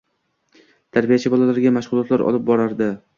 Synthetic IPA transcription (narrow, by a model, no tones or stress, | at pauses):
t̪ʰaɾbijat͡ʃʰɪbɒlalaɾɡʲamaʃʁʊlˠɒt̪laɾʔɒ̰lˠɪp̚bɒɾaɾd̪ɪ